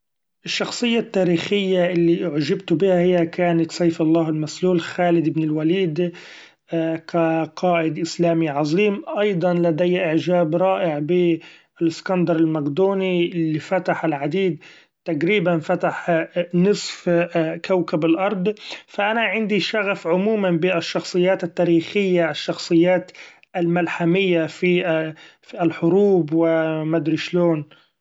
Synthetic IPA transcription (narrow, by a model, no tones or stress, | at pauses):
ʔɪʃːɑxsˤɨjːat̪ːaːɾiːxɪjːaʔɪlːiʔʕʒɪbt̪bɪhahɪjːakʰaːnat̪sˤɑjfɑlˤːɑːhɪlmasluːlxaːlɪd̪ɪbnɪlwaliːd̪ | kaqʰɑːʔɪd̪ʔɪslaːmiʕɑzˤiːmʔɑjd̪ˤɑnlad̪ajːaʔɪʕʒaːbɾˤɑːʔɪʕbi | ɪlɪskɑnd̪ɑɾˤɪlmaɡd̪uːniɪlːifat̪aħɪlʕad̪iːd̪̚ | t̪aɡɾiːbanfat̪aħnɨsˤfkawkabalʔɑɾˤd̪ˤfaʔanaʕɪnd̪iʃaɣafʕʊmuːmanbɪaʃːɑxsˤɨjːaːt̪ɪt̪ːaːɾiːxɪjːaʔɪʃːɑxsˤɨjːaːt̪ | ʔalmalħamɪjːafi | ɪlħʊɾuːbwɪmad̪ɾɪʃloːn